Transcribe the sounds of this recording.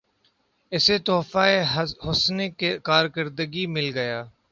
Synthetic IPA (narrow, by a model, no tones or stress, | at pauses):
ɪseːt̪oːfaːeɦʊsnekekaːɾkəɾd̪əɡimɪlɡəjaː